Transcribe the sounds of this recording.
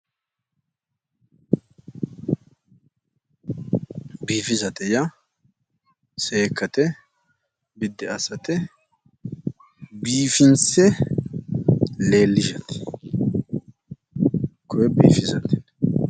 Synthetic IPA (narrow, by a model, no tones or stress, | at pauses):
biːfɪzɐt̪ɛjɐ | seːkːɐt̪ɛ | bɪd̪ːɛɐsɐt̪ɛ | biːfɪnsɛ | le̞ːlːɪʃɐt̪ɪ̥ | kɔjɛbḭːfɪzɐt̪ɪ̥n